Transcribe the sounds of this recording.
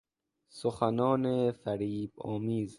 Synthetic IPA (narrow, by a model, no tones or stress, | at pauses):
soxanɔːnefæɾiːbɔːmiːz